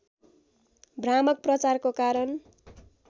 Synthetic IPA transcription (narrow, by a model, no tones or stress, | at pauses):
brɾamʌk̚prʌt͡sarkokaɾʌn